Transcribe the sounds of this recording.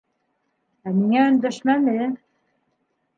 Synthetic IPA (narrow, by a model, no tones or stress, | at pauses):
æmiŋæɵ̆nd̪æʃmænɘ